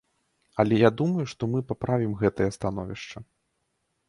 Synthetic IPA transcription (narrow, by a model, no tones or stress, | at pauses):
ɐlʲɛjad̪umɐjuʂt̪ɔmɨpapɾavʲimɣɛt̪ɐjɐst̪anɔvʲiʂt͡ʂɐ